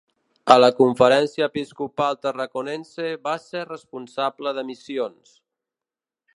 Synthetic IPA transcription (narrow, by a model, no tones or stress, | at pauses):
ələkuɱfəɾɛnsiəːpiskupalˠt̪ərəkunɛnseβaserəspunsabləðəmisions